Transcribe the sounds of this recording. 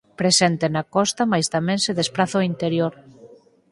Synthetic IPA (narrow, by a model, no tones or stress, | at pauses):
pɾesɛnt̪enakɔst̪amajst̪amɛ̃ŋseðespɾaθoint̪eɾjoɾ